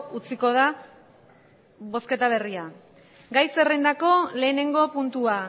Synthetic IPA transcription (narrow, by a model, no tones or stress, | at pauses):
ut͡siko̞ð̞a | βo̞ske̞t̪aβ̞e̞ria | ɡajse̞rend̪ako̞le̞ːne̞ŋɡo̞punt̪ua